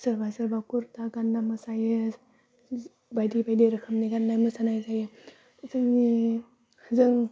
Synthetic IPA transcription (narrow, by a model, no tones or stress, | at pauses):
sɯɾbasɯɾbakuɾtaɡanːamɯsajɯ | bajdibajdeɾɯkʰɯmniɡanːajmɯsanajzajɯ | zɯŋni | zɯŋ